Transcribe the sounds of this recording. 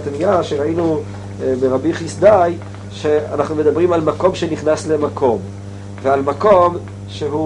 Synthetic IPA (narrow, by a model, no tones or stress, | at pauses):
t̪miaʃeʁainu | beʁabiχisd̪aj | ʃeanaχnume̞d̪abʁimalmako̞mʃeniχnasle̞makʰo̞m | vealmako̞m | ʃeɦu